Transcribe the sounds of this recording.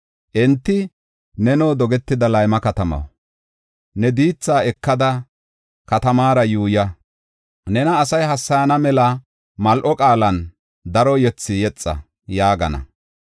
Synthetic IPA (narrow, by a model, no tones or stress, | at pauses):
ʔɛnt̪ːɪ | nɛnoːd̪ɔɡɛt̪ːɪd̪ɐlɐjmɐkɐt̪ɐmɐ̰w | nɛd̪iːt͡sːaːɛkːɐd̪ɐ | kɐt̪ɐmaːɾɐjuːjɐ | nɛnɐːsɐjɦɐsːɐjɐnɐmɛlɐ | mɐlʔɔkʼaːlɐn | d̪ɐɾɔjɛt͡sːɪjɛt͡sʼːɐ̰ | jaːɡɐnɐ̰